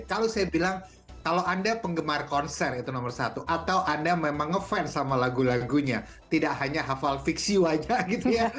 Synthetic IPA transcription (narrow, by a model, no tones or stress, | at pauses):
kalowsajabilaŋ | kalowandapəŋɡəmarkɔnsɛrit̪unɔmərsat̪uʔat̪awʔandamemaŋːəfɛnsamalaɡulaɡuɲa | t̪idaʔɦaɲaɦafalfiksiwaɲaʔɡit̪uja